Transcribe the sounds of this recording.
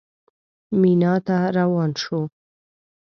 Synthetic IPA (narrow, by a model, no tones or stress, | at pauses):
minɑt̪aɾawɑnʃo